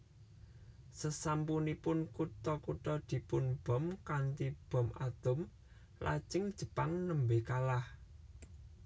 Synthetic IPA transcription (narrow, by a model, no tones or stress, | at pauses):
səsampunipʊnkut̪ɔkut̪ɔd̪̥i̤pʊnb̥ɔ̤mkant̪ib̥ɔ̤ma̰d̪̥ʊm | lʔa̰d̥ʒ̥ɪ̤ŋd̥ʒ̥ə̤paŋnəmbekalah